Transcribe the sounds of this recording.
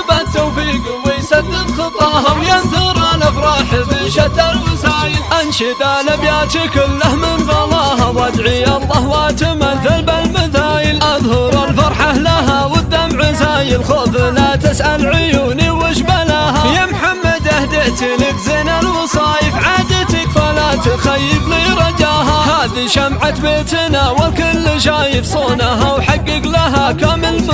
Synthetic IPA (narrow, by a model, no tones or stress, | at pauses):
bat̪ːawfiːɡ | wɪjsad̪ːɪd̪xɨt̪ˤɑːhawjanðʊɾʔanabɾˤɑːħfiʃat̪alwɪzaːjɪlʔanʃid̪aːlabjaːt̪ikɪlːahmɪnðˤɑlɑːɦawʔad̪ʕiɑlˤːɑːhwaːt̪ɪmanθɪlbalmaðaːjɪlʔɑðˤhʊɾˤalfɑɾˤħahlaɦawɪd̪ːamʕazaːjɪlxoflat̪ɪsʔalʕʊjuːniwɪʃbalahajamħamːad̪ʔahd̪ɪt̪ɪlɪkzɪnalwɑsˤɑːjɪfʕaːd̪at̪akfalat̪ʊxajːɪbliɾˤɑd͡ʒaːɦahaːðiʃamʕat̪beːt̪nawakɪlːʃaːjɪfsˤoːnaɦawħaɡːɪɡlaɦakamɪlm